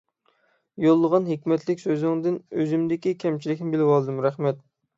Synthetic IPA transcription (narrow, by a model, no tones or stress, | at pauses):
jolˠːəʁɑnɦekʲmɛt̪lɪkʲsøzɪŋd̪ɪnøzɪmd̪ɪkʲikʲʰɛmt͡ʃʰilɪkʲnɪbɪlɪwɑlˠɨd̪ɨmɾæχmɛt̪̚